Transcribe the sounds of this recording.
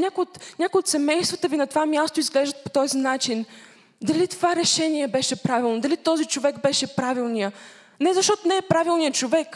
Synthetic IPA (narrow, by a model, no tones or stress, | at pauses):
nʲakʊjot̪nʲakʊjot̪sɛmɛjst̪vət̪əvinɐt̪ovamʲjast̪oizɡlɛʒd̪ət̪̚pot̪ɔzinat͡ʃin | d̪ɐlit̪ovaɾɛʃɛniɛbɛʃɛpɾavilˠnod̪ɐlit̪ɔzit͡ʃovɛɡbɛʃɛpɾavilˠnijə | nɛzɐʃt̪ɔt̪onɛɛpɾavilˠnijət͡ʃovɛk